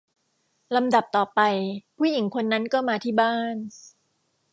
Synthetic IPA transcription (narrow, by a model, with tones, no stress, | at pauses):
la˧mda˨˩p̚t̪ɔː˨˩pa˧jpʰuː˥˩ji˨˩˦ŋkʰo˧nːa˦˥nkɔː˥˩maː˧t̪ʰiː˥˩baː˥˩n